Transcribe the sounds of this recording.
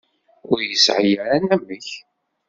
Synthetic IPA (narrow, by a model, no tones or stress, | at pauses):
ʊɾjəsʕəjəɾænæmːəç